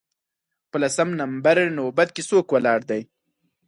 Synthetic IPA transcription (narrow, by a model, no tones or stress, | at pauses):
pəlasamnambaɾnobat̪̚kesoːkwalɑːɽd̪aj